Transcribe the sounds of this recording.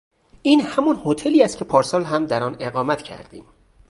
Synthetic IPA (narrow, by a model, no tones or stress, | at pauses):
ʔiːnhæmɒnhot̪ʰeliːæst̪̚cʰe̞pʰɒːɾsɒːlɦæmd̪æɾɒːne̞ɣɒːmæt̪ʰcʰæ̰ɾd̪̥ḭːm